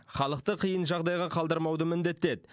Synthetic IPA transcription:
χɑlˠəq̚t̪əqʰəjənʒɑʁd̪ɑjʁɑqʰɑlˠd̪əɾmɑwd̪əmɪnd̪e̞t̪ːed̪

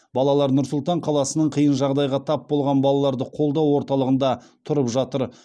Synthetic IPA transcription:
bɑlˠɑlˠɑɾnʊɾsʊlˠt̪ɑɴqʰɑlˠɑsənəɴqʰəjənʒɑʁd̪ɑjʁɑt̪ʰɑpbo̞lˠʁɑnbɑlˠɑlˠɑɾd̪əqʰo̞lˠd̪ɑwo̞ɾt̪ɑlˠəʁənd̪ɑt̪ʰʊɾəpʒɑt̪əɾ

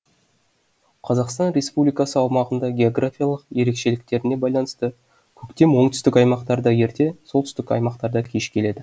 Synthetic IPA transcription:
qʰɑzɑqst̪ɑnɾe̞spublijkɑsəɑwmɑʁənd̪ɑɡʲe̞o̞ɡrafʲijalˠəqje̞ɾe̞kʃe̞lɪk̚t̪e̞ɾɪne̞bɑjlˠɑnəst̪ə | kʲʰɵkt̪e̞mwo̞ɴt̪ʏ̥st̪ɪkɑjmɑqt̪ɑɾd̪ɑje̞ɾt̪e̞so̞lˠt̪ʰʏst̪ɪkɑ̰jmɑqt̪ɑɾd̪ɑkʲʰe̞ʃkʲʰe̞le̞d̪ɪ

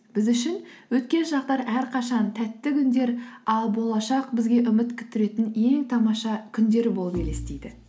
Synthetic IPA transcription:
b̥ɪzʏʃɪnwɵt̪kʲe̞nʒɑq̚t̪ɑɾæɾqʰɑʃɑnt̪ʰæt̪ːɪkʲʰʏnd̪e̞ɾɑlˠbo̞lˠɑʃɑqbɪzɡʲe̞ʔʏmɪt̪kʲʰʏ̥t̪ʰːɪɾe̞t̪ɪne̞ŋt̪ʰɑmɑʃɑkʲʰʏnd̪e̞ɾɪbo̞lˠəpʰʲelest̪ejd̪ɪ̰

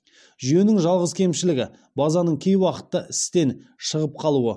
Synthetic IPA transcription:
ʒyje̞nɪŋʒɑlˠʁəzkʲʰe̞mʃɪlɪɡʲɪ | bɑzɑnəɴkʲʰe̞jwɑqə̥t̪ːəɪst̪e̞nʃəʁəp̚qʰɑlˠuə

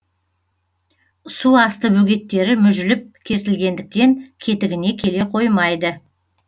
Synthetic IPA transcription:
suɑst̪əbɵɡʲe̞t̪ːe̞ɾɪmʏʒɪlɪp̚kʲʰe̞zt̪ɪlɡʲe̞nd̪ɪk̚t̪e̞ŋkʲʰe̞t̪ɪɡʲɪne̞kʲʰe̞le̞qʰo̞jmɑjd̪ə

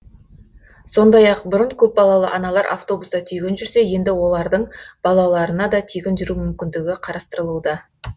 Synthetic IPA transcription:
so̞nd̪ɑjɑqbʊɾəɴkʲʰɵp̚bɑlˠɑlˠə̰ʔɑnɑlˠɑɾʔa̰ft̪o̞busd̪ɑt̪ʰʏjɡʲɪnʒʏɾse̞je̞nd̪ɪwo̞lˠɑɾd̪əɴb̥ɑlˠɑlˠɑɾənɑd̪ɑt̪ʰijɡʲɪnʒʏɾumʏmkʲɪnd̪ɪɡʲɪqʰɑɾɑst̪əɾəlˠud̪ɑ

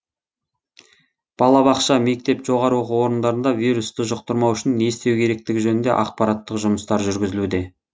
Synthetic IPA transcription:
b̥ɑlˠɑbɑqʃɑme̞k̚t̪e̞pʒo̞ʁɑɾəwo̞quwo̞ɾənd̪ɑɾənd̪ɑvijɾust̪əʒʊqt̪əɾmɑwʏʃɪnːe̞st̪e̞wkʲʰe̞ɾe̞k̚t̪ɪɡʲɪʒɵnɪnd̪e̞̰ʔɑq̚pɑɾɑt̪ːəqʒʊməst̪ɑɾʒʏɾɡʲɪzɪlud̪e̞

